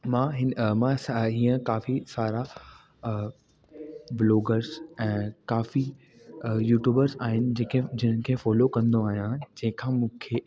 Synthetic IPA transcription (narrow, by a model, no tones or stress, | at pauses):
mãɦɪnmãsɦiːə̃kaːfisaːɾa | bloːɡəɾzɛ̃ːkaːfi | juːʈjuːbəɾzaːɦɪnɪ̆d͡ʑẽːkʰed͡ʑɪnənkʰeːfɔːlokɐ̃nd̪oaːɦijãd͡ʑɐ̃ɦɪ̃kʰãːmũːkʰeː